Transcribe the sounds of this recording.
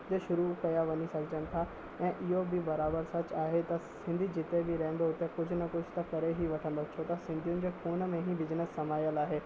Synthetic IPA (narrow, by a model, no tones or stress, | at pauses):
t̪eʃʊɾukɐjaʋɐnisɐkd͡ʒənɪ̆t̪ʰa | ɛ̃ːʔɪɦobʱibɐɾaːbəɾsɐt͡ʃaːɦet̪ɐsɪ̃nd̪ʱid͡ʒɪt̪ebʱiɾɛ̃ɦə̃nd̪oʊt̪ekʊd͡ʒʱʊnɐkʊd͡ʒʱt̪ɐkɐɾeɦiʋɐʈʰə̃nd̪ot͡ʃʰot̪ɐsɪ̃nd̪ʱijʊ̃nɪ̆d͡ʑeːxuːnmẽɦĩbɪznəsːɐmaːjəlaːɦeː